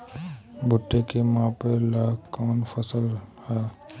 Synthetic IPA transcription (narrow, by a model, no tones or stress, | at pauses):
bʱʊʈːekemãpelaːkɔːnfəsəlhɛː